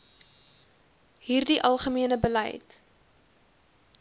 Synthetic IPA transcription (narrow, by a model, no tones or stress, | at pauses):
ɦiːrdiʔɐlˠχəmiənəbəlɛ̰jt